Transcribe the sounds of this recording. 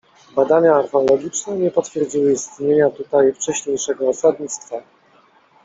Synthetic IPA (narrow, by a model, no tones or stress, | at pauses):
bad̪aɲaːɾfɛɔlɔɡʲit͡ʂnɛɲɛpɔt̪fʲjɛɾd͡ʑiwɘist̪ɲeɲat̪ut̪ajft͡ʂɛɕɲejʂɛɡɔːsad̪ɲit̪st̪fa